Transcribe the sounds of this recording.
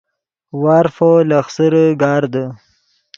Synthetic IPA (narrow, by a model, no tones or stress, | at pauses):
wɑːɾfolaxsəɾəɡɑːɾd̪ə